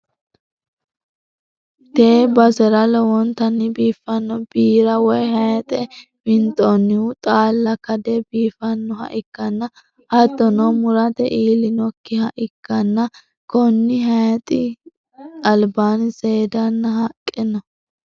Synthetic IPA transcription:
t̪eːbɐsɛɾɐlɔwɔnt̪ɐnːɪbiːfːɐnːɔb̥iːɾɐwɔjhɐjɐt̪ʼɛ | mɪnt̪ʼɔnːɪʊt̪ʼaːlːɐkɐd̪ɛbiːfɐnːɔhɐ̰ʔɪkːɐnːɐ | hɐd̪ːɔnɔwmʊɾɐt̪ɛʔiːlɪnɔkːɪhɐʔɪkːɐnːɐ | kɔnːɪɦɐjɐt̪ʼɪ | ɐlbaːnɪseːd̪ɐnːɐhɐkʼːɪnɔ

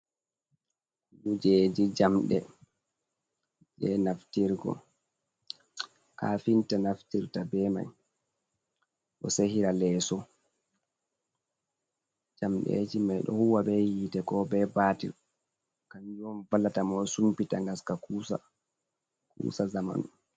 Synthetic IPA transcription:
kuud͡ʒɛd͡ʒid͡ʒamɗɛ̰ | d͡ʒɛnaftiɾɡɔ̰ | kafintanaftiɾtabɛma̰j | ʔɔ̰sehiɾalɛːsɔ | d͡ʒamɗḛd͡ʒimajɗɔ̰huwabɛjitɛkɔbɛbatḭɾ | kand͡ʒɔmvalatamɔsumpitaŋɡaskakusa | kṵːsazama̰n

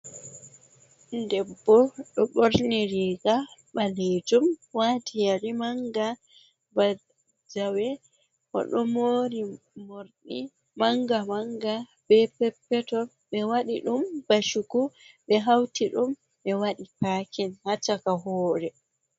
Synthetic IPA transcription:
ndɛbːɔɗɔɓoɾniɾiːɡaɓaled͡ʒumwaːtijaɾimaŋɡa | ba | d͡ʒawɛ | kɔ̰ɗɔmoɾi | moɾni | maŋɡamaŋɡa | b̥ɛpɛpːɛtɔ | ɓɛwaɗiɗumb̥aʃukuɓɛɦawtiɗum | ɓɛwaɗipaːkʰɛnhat͡ʃakaɦɔːɾɛ

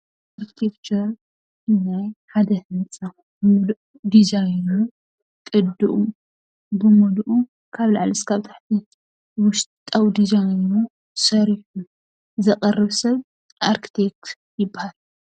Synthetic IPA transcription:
ʔaɾkʰi̥t̪ʰekt͡ʃɐɾ | ɨnajħad̪ɐhnt͡sʼa | bɨmulʔud̪izajnu | kʼɨd̪ɨʔu | bɨmulʔu | kʰaβlaʕlɨskʰaβt̪ʰḁħt̪ʰi | wʊʃtt̪ʼawd̪izajnu | sɐɾiħu | zɐqʼɐrɨβsɐβ | ʔaɾkʰi̥t̪ʰek̚t̪ | jɪbːahal

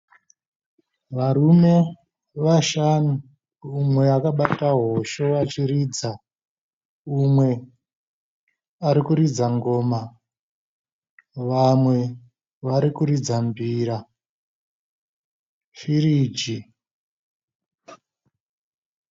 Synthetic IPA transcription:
ʋarume̞ | ʋaʃanu | umwe̞akaɓataɦo̞ʃo̞ʋat͡ʃiɾid͡za | umwe̞ | aɾikuɾid͡zaŋɡo̞ːma | ʋamwe̞ | ʋaɾikuɾid͡zambiːɾa | firiːd͡ʒi

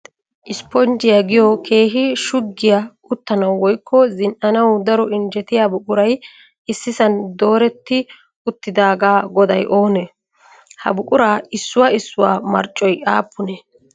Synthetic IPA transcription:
ʔɪspɔnd͡ʒɪjaɡɪjɔkʰe̞ːɦɪʃʊɡːɪja | ʊt̪ːɐnɐwːɔjkːɔzɪnʔɐnɐwd̪ɐɾɔɪnd͡ʒɛt̪ɪjabʊkʼʊɾɐj | ɪsːɪsɐnd̪o̞ːɾɛt̪ːɪ | ʊt̪ːɪd̪aːɡaːɡɔd̪ɐjʔo̞ːnɛ | hɐ̰bʊkʼʊɾaːɪsːʊwaɪsːʊwa̰ːmɐ̰ɾt͡ʃʼːɔjaːpːʊnɛ

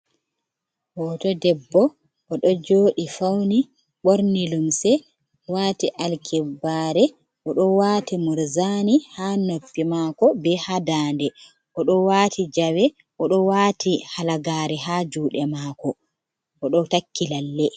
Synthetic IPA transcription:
hɔtɔdɛbːɔ | ʔɔɗɔd͡ʒoːɗifawni | ɓoɾnilumsɛ | waːtiʔalkʰɛbaːɾɛ | ʔɔɗɔwaːtimuɾzanihaːnopːimaːkɔbɛhadaːndɛ | ʔɔɗɔwaːtʰid͡ʒawɛ | ʔɔɗɔwaːtihalaɡaːɾɛɦaːd͡ʒuːɗɛmaːkɔ | ʔɔɗɔtakʰːilalːɛ

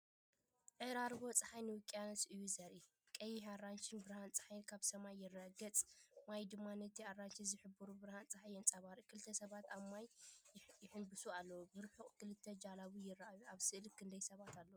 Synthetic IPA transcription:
ʔɨɾaɾbo̞t͡sʼɨħajnɨwɨkʼːjanɐsʔɨjːuzɐɾi | kʼɐjiharːant͡ʃɪnbɨɾhant͡sʼħajnkʰaβsɐmajːɪrːɐɡɐt͡sʼmajd̪ɨmːanɐt̪ʰiarːant͡ʃizɨħɨbɨɾubɨɾhant͡sʼɨħajɨnt͡sʼɐβaɾikʰɨlɨt̪ʰːɐsɐβat̪aβmaj | jɪħɨnbɨsualːɐwubɨɾħuχʼkʰɨlɨt̪ʰːɐd͡ʒalaβujɪrːɐʔajuʔaβsɨʔɨlkʰɨnd̪ɐjsɐβat̪ʰalːɐwu

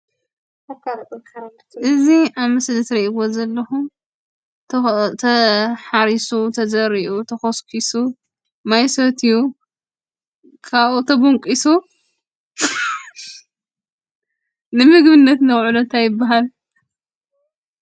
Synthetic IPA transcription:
ʔɨziʔaβmɨslɨt̪ɾɐʔiɡozɐlːɐxum | t̪ʰɐħaɾisut̪ʰɐzɐɾiʔut̪ʰɐxoskʰisu | majsot̪ʰɨju | kʰaβut̪ʰɐbuŋkʼisu | nɨmɨɡbɨnːɐt̪nɐwʕulont̪ʰajɪbːaɦal

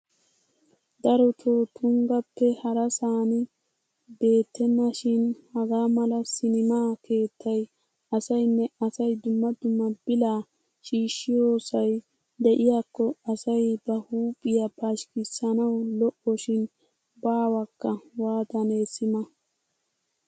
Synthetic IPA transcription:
d̪ɐɾɔt̪ʰoːt̪ʰʊŋɡɐpːɛhɐɾɐsaːnɪ | be̞ːt̪ːɛnːɐʃɪnhɐɡaːmɐlɐsɪnɪmaːkʰe̞ːt̪ːɐj | ɐsɐjnːɛʔɐsɐjd̪ʊmːɐd̪ʊmːɐbɪlaː | ʃiːʃːɪjo̞ːsɐj | d̪ɛʔɪjakːɔɐsɐjbɐhuːpʼːɪjapaʃkɪsːɐnɐwlɔʔɔʃɪn | baːwɐkːɐwaːd̪ɐnesɪmɐ

